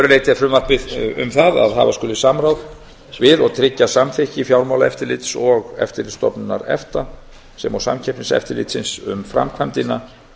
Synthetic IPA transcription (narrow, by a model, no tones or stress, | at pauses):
ɾʏlejt̪ɪafɾʏmvaɾpɪðʏ̰mθaða̰ðɦa̰vaskʏlɪsamɾawð | vɪðɔɣt̪ʰɾɪcːasamθɪhcɪfjawɾmawlaɛft̪ɪɾlɪt̪sɔɣɛ̰ft̪ɪɾlɪst̪ɔpnʏnːa̰ɾɛ̰ft̪a | sɛmawsa̰mcʰɛpnɪnsɛ̰ft̪ɪɾlɪ̰t̪sɪnsʏ̰mfɾa̰mkʰvant̪ɪna